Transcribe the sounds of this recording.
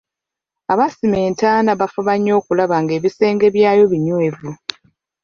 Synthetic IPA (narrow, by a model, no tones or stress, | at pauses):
aβasime̞ːntaːnaβafuβaɲːo̞ːkulaβaŋɡe̞ːβise̞ːŋɡe̞βjaːjo̞βiɲwevu